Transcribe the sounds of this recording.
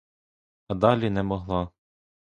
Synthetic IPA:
ɑd̪ɑlʲinɛmɔɦlˠɑ

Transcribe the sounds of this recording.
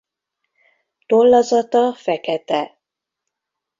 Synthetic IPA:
t̪olːɒzɒt̪ɒfɛkɛt̪ɛ

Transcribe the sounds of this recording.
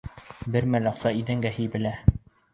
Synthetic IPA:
bɘɾmælɑqsɑiðɘŋɡæɦɘjbɘ̆læ

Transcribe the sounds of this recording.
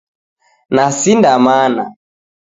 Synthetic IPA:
nasindamana̰

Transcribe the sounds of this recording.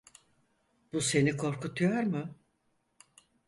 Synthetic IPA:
b̥use̞nikʰo̞ɾkʰut̪ʰujɔɾmɯ

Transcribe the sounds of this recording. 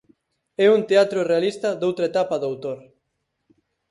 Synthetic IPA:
ɛunt̪eat̪ɾʊrealist̪ɐd̪owt̪ɾaet̪apaðawt̪oɾ

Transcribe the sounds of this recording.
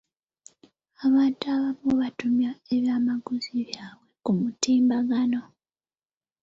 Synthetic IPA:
aβaːntuaβamuβatumjae̞βjaːmaɡuziβjaːβwe̞kumutiːmbaɡano̞

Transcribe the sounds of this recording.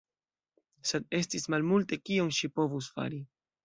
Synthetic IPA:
se̞d̪̚e̞stismalmulte̞kionʃipo̞vus̬fa̰ɾi

